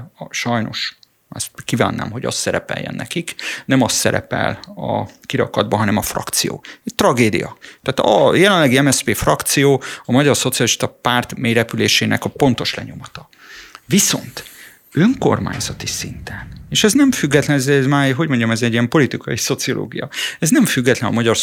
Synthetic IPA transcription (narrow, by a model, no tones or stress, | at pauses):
ʃɒjno̞̰ʃ | ɒst̪kiva̰ːnːa̰ːmɦo̞ɟɒ̰st̪sɛɾɛpɛ̰jːɛ̰nːɛ̰kiknɛmɒst̪sɛɾɛ̰pɛ̰lɒ̰kiɾɒ̰kɒd̪̚bɒɦɒnɛmɒfrɒ̰kt̪sijo̰ːɛct̪rɒɡeːd̪ḭjɒ̰t̪aːt̪ɒjɛlɛnlːɛɡiɛmɛspeːfrɒkt̪sijoːɒmɒɟɒrso̞t̪sijɒliʃt̪ɒpaːrt̪meːɾɛpyleːʃeːnʔɛ̰kɒpo̞nt̪o̞ʃlɛ̰ɲo̞mɒt̪ɒ | viso̞̰nt̪ | øŋko̞̰rma̰ːɲzɒt̪isint̪ɛneːʃɛznɛmfyɡːɛt̪lɛnɛzɛzmaːɦo̞ɟmo̞ɲɟɒmɛzɛɟːiɛmpo̞lit̪ikɒjiso̞t̪sio̞lʔo̰ːɡijɒɛznɛmfyɡːɛt̪lɛnɒmɒɟɒr